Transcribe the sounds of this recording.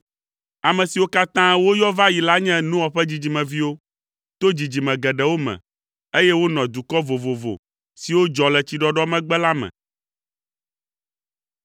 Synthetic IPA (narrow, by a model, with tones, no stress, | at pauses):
a˨mɛ̃˨si˨wo˦ka˦t̪ã˦wo˦jɔ˦va˦ji˨la˦ɲɛ̃˦nũ˦ɔ˨ɸɛ˦d͡ʑi˨d͡ʑi˨mɛ̃˨vi˦wo˦ | t̪o˦d͡ʑi˨d͡ʑi˨mɛ̃˨ɡɛ˨ɖɛ˨wo˦mɛ̰̃˨ | e˦jɛ˦wo˦nɔ̃˨d̪u˨kɔ˦vo˨vo˨vo̰˨ | si˨wo˦d͡ʒɔ˨lɛ˨t͡ɕi˨ɖɔ˦ɖɔ˦mɛ̃˦ɡ͡bɛ˦la˦mɛ̰̃˨